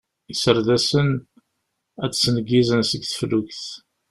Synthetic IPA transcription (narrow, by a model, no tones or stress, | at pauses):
isəɾðæsən | æt͡ssnəɡːizənsəɡθə̥fluʝθ